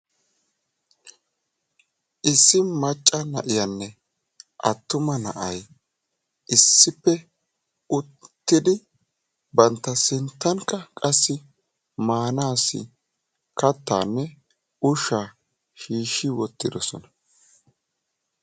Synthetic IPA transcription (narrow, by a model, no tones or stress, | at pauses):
ʔɪsːɪmɐt͡ʃʼːɐnɐ̰ʔɪjɐnːɛ | ʔɐ̰t̪ːʊmɐnɐ̰ʔɐj | ʔɪsːɪpːɛ | ʊt̪ːɪd̪ɪ | bɐnt̪ːɐsɪnt̪ːɐŋkɐkʼɐsːɪ | maːnaːsɪ̰ | kɐt̪ːa̰ːnːɛ | ʊʃaː | ʃiːʃːɪwɔt̪ːɪd̪ɔsɔ̰nɐ̥